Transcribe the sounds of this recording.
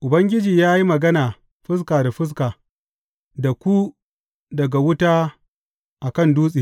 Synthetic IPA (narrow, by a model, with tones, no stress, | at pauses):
ʔʊ˨bɐ˦ŋɡʲɪ˦d͡ʒiː˨jaː˦ji˦mɐ˨ɡɐ˦naː˨ | ɸɪ˦s̬kaː˨da˨ɸɪ˦s̬kaː˨ | da˨kʷu˦ | dɐ˨ɡa˨wʊ˦taː˦ | ʔa˨kɐ˦˨nduː˦sʼiː˨